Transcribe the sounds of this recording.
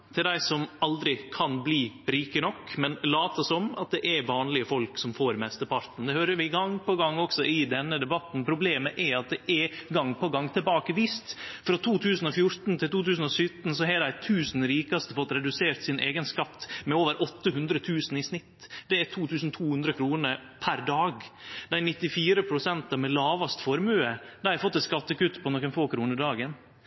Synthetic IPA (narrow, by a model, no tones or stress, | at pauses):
t̪ʰɪld̪æɪsɔmɑld̪ɾɪkʰɑnbliːɾiːkənɔkːmɛnlɑːt̪ɔsɔmɑ̰t̪̚d̪ɛʔæɾʋɑːnlɪəfɔlksɔmfoːɾmɛst̪əpʰɑɾt̪n̩d̪ɛhøːɾəɾʋɪɡɑŋpʰɔɡɑŋːɔksɔʔɪd̪ɛnːəd̪ɛbɑt̪ːn̩pʰɾʊbleːməʔɛɾɑt̪̚d̪ɛʔɛɾɡɑŋpɔɡɑŋːt̪ʰɪlbɑːkəʋiːst̪fɾɔt̪ʰuːt̪ʰʉːsnɔfjʊɾt̪n̩t̪ʰɪlt̪uːt̪ʉːsn̩ɔsʏt̪n̩sɔɦɛdæɪt̪ʰʉːsn̩ɾiːkɑst̪əfɔt̪ːɾɛd̪ʉseːɾt̪sɪnḛːɡənskɑt̪ːmɛoːʋəɾʔɔt̪ːəɦʉnd̪ɾət̪ʰʉːsn̩ɪsnɪt̪ːd̪̥ɛæt̪ʰuːt̪ʰʉːsn̩t̪ʰuːhʉnd̪ɾəkʰɾuːnəɾpʰæɾd̪ɑːɡd̪æɪnɪt̪ːɪfiːɾəpʰɾʊsɛnt̪ɑmɛlɑːʋɑst̪fɔɾmʉːəd̪æɪɾfɔt̪ːɛskɑt̪ːəkʉt̪ːpʰɔnɔkːənfoːkʰɾuːnəɾd̪ɑːɡən